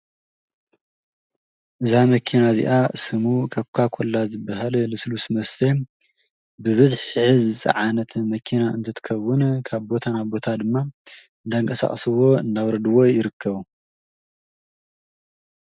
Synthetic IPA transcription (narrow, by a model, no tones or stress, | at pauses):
ʔɨzamɐkʰinazḭʔasɨmukʰɐβkʷʰakʰolːazɨbɐɦallɨslusmɐst̪ʰe | bɨβɨzħɨzɨt͡sʼɐ̰ʕanɐt̪mɐkʰinaɨnt̪ʰɐt̪ʰɨ̥kʰɐwːʊnkʰaβbo̞t̪ʰanabo̞t̪ʰad̪ɨmːa | ɨnd̪aɨŋkʼɐsa̰χʼsɨwo̞ɨ̰nd̪awɾɐd̪ɨwo̞jɪɾɨkʰːɐβu